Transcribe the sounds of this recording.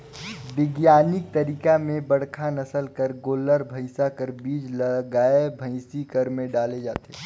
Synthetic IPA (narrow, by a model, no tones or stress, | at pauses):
bɪɡjaːnɪk̚t̪əɾiːkamẽbəɽkʰanɐsəlkəɾɡoːləɾbʱəɪsakəɾbiːd͡ʒləɡaːebʱəɪsikəɾmẽɖaːled͡ʒa̰ːt̪eː